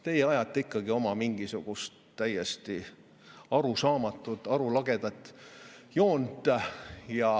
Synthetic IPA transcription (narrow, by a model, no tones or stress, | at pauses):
t̪e̞jeɑjɑt̪ːˑeikːˑɑɡ̥io̞mɑmiŋɡ̥isuɡ̥ust̪t̪ːæjest̪i | ɑɾusɑːmɑt̪ːˑud̪̥ˑɑɾulɑɡ̥e̞d̪̥ɑt̪ːˑjo̞ːnd̪ˑɑjɑ